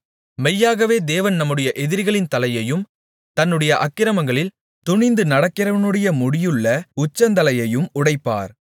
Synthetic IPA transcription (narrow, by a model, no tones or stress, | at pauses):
mɛjːaːɣɐʋeːd̪eːʋɐnnɐmːɯɽɐjɐʔɛðɪɾɣɐɭɪnt̪ɐlɐjɐjɯm | t̪ɐnːɯɽɐjɐʔɐkːɪɾɐmɐŋɡɐɭɪl | t̪ʊɳɪnd̪ɯnɐɽɐkːɪɾɐʋɐnɯɽɐjɐmʊɽɪjɯɭːɐʊt͡ʃːɐnd̪ɐlɐjɐjɯmʊɽɐɪpːa̰ːɾ